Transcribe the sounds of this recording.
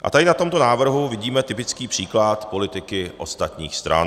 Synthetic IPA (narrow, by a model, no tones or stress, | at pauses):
ʔa̰t̪adɪnat̪o̞mt̪o̞naːvr̩ɦuvɪɟiːmɛt̪ɪpɪt͡skiːpr̝̥iːklat̪po̞lɪt̪ɪkɪʔo̞st̪at̪ɲiːxst̪ɾʔa̰n